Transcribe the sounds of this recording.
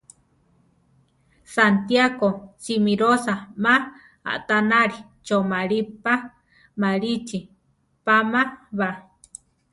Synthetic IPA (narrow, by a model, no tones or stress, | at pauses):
sant̪jakosimiɾosama | a̰ʔt̪anaɾi | t͡ʃomaɾipa | maɾit͡ʃi | pamaβa